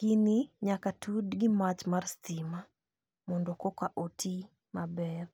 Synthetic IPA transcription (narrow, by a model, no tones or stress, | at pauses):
kiniɲakatʰudɡɪmat͡ʃmarstima | mɔndɔkɔkaʔotʰi | mabɛr